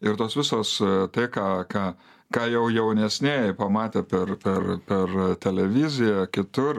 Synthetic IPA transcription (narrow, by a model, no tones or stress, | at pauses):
ɪrt̪oːsʋʲɪsoːst̪ɐɪkɑːkɑː | kɑːjɛʊjɛʊnʲɛsʲnʲeːpɐmɑːt̪ʲeːpʲɛrpʲɛrpʲɛrt̪ʲɛlʲɛʋʲɪzʲɪjɛkʲɪt̪ʊr